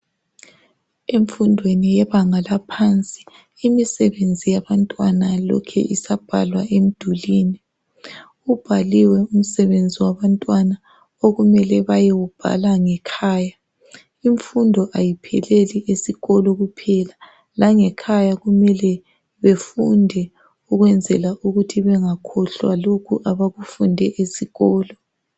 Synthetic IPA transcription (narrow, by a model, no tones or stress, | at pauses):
eɱfundʱwenijɛβaŋalapʰant͡sʼi̥ | imisɛβend͡zʱijaβantʼwanalɔ̰kʰɛ̰ʔisab̥ʱa̰lwaʔem̩d̥ʱuliːni | ub̥ʱaliwɛum̩sɛβend͡zʱiwaβantʼwana | oɣumɛlɛβajewub̥ʱa̰laŋɛkʰaːja | iɱfundʱɔʔajipʰɛ̰leliʔesiɣɔlɔɣupʰɛla | laŋɛkʰajaɣumɛlɛ | βefundʱɛ | uɣwɛnd͡zʱɛlaʔuɣutʰiβɛŋakʰɔɬwa̰lokʰuʔaβaɣufundʱɛʔesiɣɔːlɔ